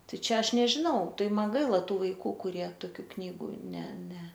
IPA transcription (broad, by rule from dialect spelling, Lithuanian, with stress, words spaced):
ˈtɐɪ ˈt͡ʃʲɛ ˈɐʃ nʲɛʒʲɪˈnɐʊ ˈtɐɪ ˈmɐn ˈɡɐɪlˠɐ ˈtuː ʋɐɪˈkuː kʊˈrʲiɛ toːˈkʲuː ˈknʲiːɡuː ˈnʲɛ ˈnʲɛ